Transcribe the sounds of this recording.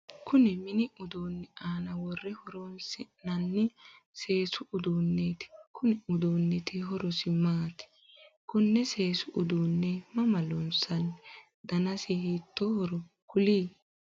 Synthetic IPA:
kʰʊnɛmɪnɪʔʊd̪oːnːɛaːnɐwɔrːɛhɔɾɔnsɪnɐnːɪ | se̞ːsʊʔʊd̪uːnːeːt̪ɪ̥kʊnɪʊd̪oːnːɛt̪ɪɦɔɾɔsɪmaːt̪ɪ̥ | kʊnːɛse̞ːsʊʔʊd̪uːnːɛmɐmɐlɔnsɐn | d̪̥ɐnɐsɪhiːt̪ːɔhɔɾɔ | kʊliː

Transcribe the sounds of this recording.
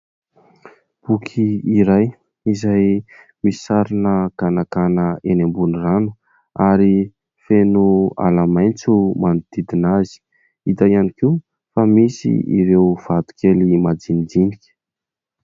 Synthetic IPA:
b̥ukʰiiɾaj | izaj | misaɾinəɡanakanəenembuniranu̥ | aɾi | fenua̰lamajnt͡sumanid̪̥id̪inazi̥ | id̪ajanikiu | famisḭḭɾewv̥at̪u̥kʰelimad͡zind͡zinikʲə̥

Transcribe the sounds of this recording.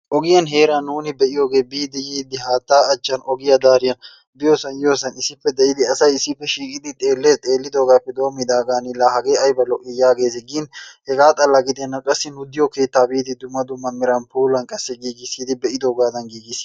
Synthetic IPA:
ʔɔɡɪjɐnɦe̞ːɾanuːnɪbɛʔɪjo̞ːɡe̞ːbiːd̪ɛjiːd̪ɪɦaːt̪ːaːɐt͡ʃːɐnɔɡɪjɐd̪aːɾɪjɐn | b̪ɪjoːsɐnjo̞ːsɐnɪsːɪpːɛd̪ɛɪd̪ɪɐsɐjɪsːɪpːɛʃiːkʼɪd̪ɪt̪ʼe̞ːlːeːt̪ʼeːlːɪd̪o̞ːɡaːpːɛd̪o̞ːmːɪd̪aːɡaːnɪlaːhɐɡeːɐjbɐlɔʔɪjaːɡe̞ːs̬ɪɡɪnhɛɡaːt̪ʼɐlːɐɡɪd̪ɛnːɐkʼɐsːɪnʊd̪ɪjɔke̞ːt̪ːaːbiːd̪ɪd̪ʊmːɐd̪ʊmːɐmɪɾɐnpuːlɐnkʼɐsːɛɡiːɡɪsiːd̪ɪbɛʔɪd̪o̞ːɡaːd̪ɐnɡiːɡɪs

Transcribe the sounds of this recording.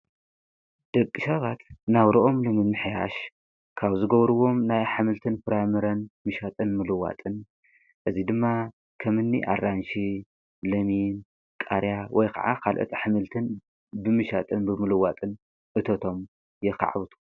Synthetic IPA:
d̪̥ɐkʼːiʃɐβat̪naβɾɐʔo̞mlɨmɨmɨħja̰ʃ | kʰaβzɨɡɐβɾɨwo̞mnajħɨmɨlt̪ʰɨnfɨɾamɨɾɐnmɨʃat̪ʼɨnmɨlɨwa̰t̪ʼɨn | ʔɨzid̪ɨmːa | kʰɐmɨnːḭʔa̰rːanʃi | lɐmin | kʼa̰ɾjawʔɔjkʰɐ̰ʕa̰kʰalʔo̰t̪ʰiħɨmɨlt̪ʰɨn | bɨmɨʃat̪ʼɨnbɨmɨlɨwat̪ʼɨn | ʔɨt̪ʰɐt̪ʰo̞m | jɛka̰ʕβɨt̪ʰu̥

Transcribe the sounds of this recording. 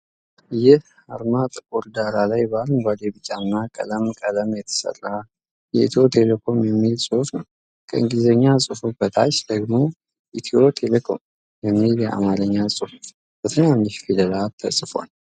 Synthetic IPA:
jɪh | aɾmat̪ʼkoɾd̪aɾalajbalmɡʷad̪ebɨt͡ʃʼːanːakʼə̰ləmkʼələmjɛt̪ʰə̥sə̰rːa | jɛḭt̪ʰo̞t̪ʰe̞lekʰo̞mjɛmːilsʼofnəw | kʰə̰ɨŋɡizəɲːasʼɨfubət̪ʰat͡ʃːd̪əɡmo | ʔit̪ʰio̞t̪ʰelekʰo̞̰m | jɛmːiljɛʔa̰maɾəɲːasʼɨfuf | b̥ət̪ʰɨnanːɨʃfiləlat̪ʰːəsʼɨfo̰n

